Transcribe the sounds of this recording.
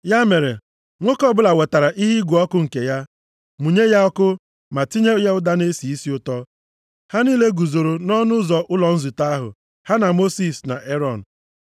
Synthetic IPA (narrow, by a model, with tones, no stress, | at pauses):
ja˦me˨ɾe˨ | ŋʷo˦kɔ˦bʊ˦la˨we˨ta˨ɾa˨ʔi˦ɦi˦ɡʷu˨ɔ˦kʊ˦ŋ̩˨ke˨ja˦ | mu˨ɲe˦ja˦ɔ˦kʊ˦ | ma˨ti˦ɲe˦ja˦ʊ˦da˦ne˦si˨i˦si˦ʊ˦tɔ˦ | ha˦niː˦le˦ɡu˨zo˨ɾo˨nɔ˦nʊ˦zɔ˨ʔʊ˦lɔ˨n̩˦zu˨ta˦a˦ɦʊ̰˨ | ha˦na˨mo˦si˦˨sna̰˨ʔe˦ɾɔ˦˨n̩˨